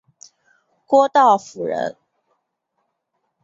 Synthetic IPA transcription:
kwɔ˦t̪ɑ˥˩ʊfu˨˩ɻə̰˧˥n

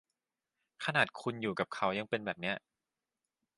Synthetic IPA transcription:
kʰa˧naː˨˩t̪̚kʰu˧njuː˨˩ka˨˩p̚kʰa˦˥wja˧ŋpe˧nbɛː˨˩p̚ni˦˥ɐʔ

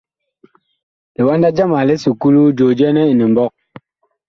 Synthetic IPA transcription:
le˨wa˦n˦da˦d͡ʒa˦ma˨le˦su˨ku˦lu˦d͡ʒo˨d͡ʒɛ˦nɛ˦i˨ni˨m̩˨bɔ˦˨k̚

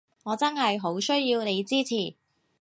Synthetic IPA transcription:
ŋɔː˨˧t͡sɐ˥nɦɐ˨jɦo˨˥wsɵ˥ɥjiː˧wne˨˧jt͡siː˥t͡sʰiː˨˩

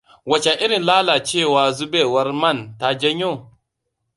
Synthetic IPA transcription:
wa˨t͡ʃa˨ʔi˦ɾi˨nlaː˦la˨t͡ʃeː˦˨waː˨zu˦be˦˨wa˦ɾma˦˨nta˦d͡ʒɛ˦ɲo˦˨

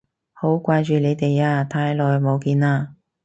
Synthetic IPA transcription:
ho˨˥wkʷaː˧jt͡ʃyː˨˩ne˨˧jt̪e˨jaː˧t̪ʰaː˧jlɔː˨jmo˨˧wkiː˧naː˧

